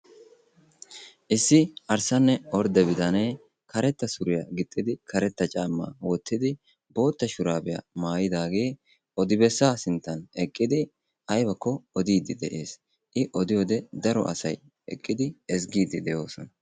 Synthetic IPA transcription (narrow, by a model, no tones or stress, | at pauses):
ʔɪsːɪʔɐɾsɐnːɛɔɾd̪ɛbɪd̪ɐneː | kɐɾɛt̪ːɐsʊɾɪjaɡɪt̪ʼːɪd̪ɪkʰɐɾɛt̪ːɐt͡ʃʼaːmːa̰ːwɔt̪ʰːɪd̪ɪ | bo̞ːt̪ːɐʃʊɾaːbɪja̰maːjɪd̪aːɡe̞ː | ʔɔd̪ɪbɛsːaːsɪnt̪ːɐnɛkʼːɪd̪ɪ | ʔɐjbɐkːɔɔd̪iːd̪ɪd̪ɛʔeːs | ʔɪʔɔd̪ɪjoːd̪ɛd̪ɐɾɔ̰ʔɐ̰sɐj | ɛ̰kʼːɪd̪ɪɛs̬ɡiːd̪ɪd̪ɛjo̞ːsɔnɐ